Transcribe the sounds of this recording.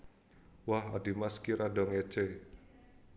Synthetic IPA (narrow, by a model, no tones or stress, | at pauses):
wahadi̤maskiɾaɖɔŋe̥t͡ʃe